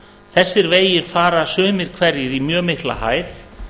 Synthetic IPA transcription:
θɛsːɪɾveːjɪɾ̥faːɾasœːmɪɾ̥kʰvɛɾjɪɾimjœːmɪhkla̰ha̰ːjθ

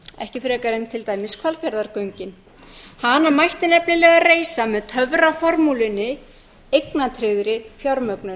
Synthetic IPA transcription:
ɛ̰hcɪfɾɛːkaɾɪnt̪ʰɪlt̪aːjmɪskʰalfjaɾðaɾkœɥɲcɪn | hanamajht̪ɪnɛpnɪlɛːɣareːjsamɛðt̪ʰœvɾafɔɾmulɪnɪ | ejknat̪ʰɾɪɣðɾɪfjɔɾmœknʏ

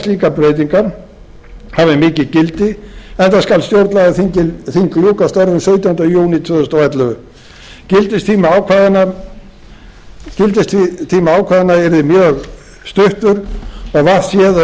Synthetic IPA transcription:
liːkapɾeːjt̪̬iŋkaɾ | havɪmɪːcɪcɪlt̪ɪɛnt̪askalst̪jowɾt̪laɣðɪθiŋcɪlθiŋkljuːkast̪ɔɾvʏnsœɥt̪jawhnajuːwnit̪ʰœðʏst̪awɛt̪lʏvʏ | cɪlt̪ɪst̪ʰiːmaaːwkʰvaːðana | cɪlt̪ɪst̪fit̪ʰiːmaaːwkʰvaːðɪnːaɛɾðɪmjœːɣ | st̪ʏht̪ʏɾɔɣvaɾsjɛð

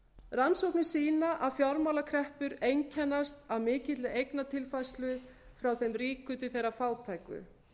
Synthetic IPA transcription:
ransowknɪsiːnaʔaðfjɔɾmawlakʰɾɛhpʏɾejɲcʰɛnːast̪avmɪːcɪt̪lɪejknat̪ʰɪlfajst̪lʏ | fɾawθejmriːkʏt̪̬ɪθejɾafaːwt̪ʰaːjkʏ̰

